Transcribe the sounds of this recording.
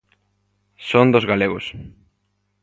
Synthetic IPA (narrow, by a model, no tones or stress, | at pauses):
sond̪ozɣaleɣos